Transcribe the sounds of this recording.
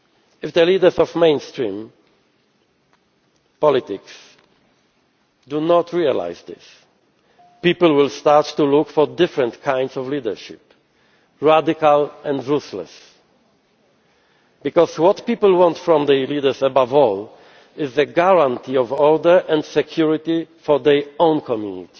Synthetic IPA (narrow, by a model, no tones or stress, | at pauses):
ɪfðəlidə˞zɔvmẽɪ̃nstɹĩm | pɔlɪtɪks | dunɔtʰɹiala̰ɪzðɪ̰s | pipl̩wɪlstaɹttulʊkfɔɹdɪfɹɛ̃ntkʰãɪ̃ndsɔvlidə˞ʃɪ̰p | ɹadɪkalɛ̃ndɹuslɛ̰s | bikɔzwɔt̪pipl̩ˠwɔ̃ntfɹɔ̃mðəlidə˞səbavɔl | ɪzðəɡaɹãntʰiɔvɔɹdə˞ʔɛ̃ndsɛkʰjuɹɪt̪ifɔɹðɛɹõʊ̃nkʰɔmjunḭt̪i̥